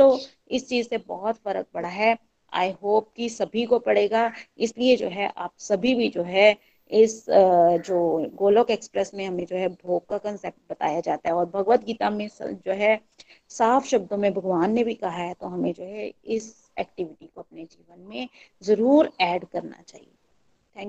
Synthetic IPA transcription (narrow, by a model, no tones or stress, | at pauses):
t̪o | ɪst͡ʃiːzsebɔɦɔt̪fɐɾə̰k̚bɐɽ̤aɦɛ | a̰ːjɦoːp̚kisɐbʱikopɐɽeːɡaɪslied͡ʒo̰ːɦɛʔa̰ːpsɐbʱibʱid͡ʒoːɦɛ | ɪsd͡ʒoːɡoːlokeːkspɾɛsmẽɦɐmẽd͡ʒoːɦɛbʱoːɡ̚kakɐ̃nseːp̚ʈ̚bɐt̪a̰ːjad͡ʒaːt̪aɦɛɔːɾbʱɐɡʋət̪̚ɡiːt̪amẽsd͡ʒoːɦɛ | saːfʰʃɐb̚d̪õmẽbʱɐɡʋaːnːebʱikɐɦaɦɛt̪oɦɐmẽd͡ʒoːɦɛɪs | ɛ̰ːk̚ʈɪʋɪʈikoɐp̚ned͡ʒiːʋənmẽzɐɾuːɾɛːɖkɐɾna̰t͡ʃa̰ːɦḭe | t̪ʰɛ̃ːŋk